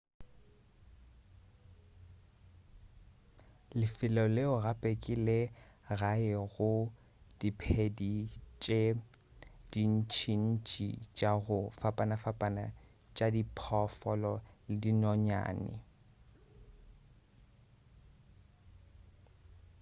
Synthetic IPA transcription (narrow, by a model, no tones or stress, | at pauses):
lɪfɪlɔleʊɣapʼekʼilɛ | ɣaɪɣʊ | d̥ipʰedit͡ʃʼe | d̥in̩t͡ʃʰin̩t͡ʃʼḭt͡ʃʼaɣʊfapʼanafapʼana | t͡ʃʼadipʰɔfɔlɔlɪdinɔɲa̰ːnɪ̰